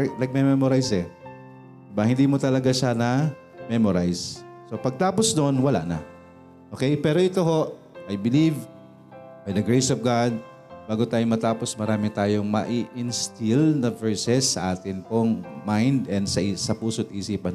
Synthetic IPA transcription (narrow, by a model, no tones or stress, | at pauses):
lɐɡ̚mɛmɛmoɾajsɛ | bahɪnd̪iːmot̪ɐlɐɡaʃanɐ | mɛmoɾajsː | o̞pɐɡ̚t̪aːposnoʔonwɐla̰ʔnɐ̰ | ʔokɛjpɛːɾo̞ʔɪt̪o̞ɦo̞ʔ | ʔajbɪliv | bajd̪ɐɡɹejsɔvɡad̪̚ | baːɡot̪aːjomɐt̪aːpo̞smɐɾaːmɪt̪aːjoŋmɐ̰ʔiʔɪnst̪ɪlnɐvɛɹsɛsːɐʔaːt̪ɪnpoŋmajnd̪ɛnd̪sɐʔisɐpuːsot̪̚iʔsiːpɐn